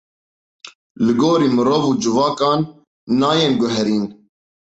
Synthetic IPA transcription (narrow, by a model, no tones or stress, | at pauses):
lɨɡoːɾiːmɨɾovuːd͡ʒɨvɑːkɑːnː | ɑːjeːnɡʊɦɛɾiːn